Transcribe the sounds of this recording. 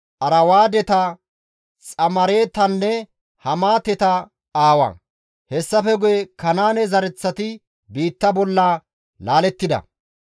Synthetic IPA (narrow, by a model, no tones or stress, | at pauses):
ʔɐɾɐwaːd̪ɛt̪ɐ | t͡sʼɐmɐɾe̞ːt̪ɐnːɛ | hɐmaːt̪ɛt̪ɐ | aːwɐ̰ | hɛsːɐfɛɡʊjɛkɐnaːnɛzɐɾɛt͡sːɐt̪ɪ | biːt̪ːɐbɔlːa | laːlɛt̪ːɪd̪ɐ̰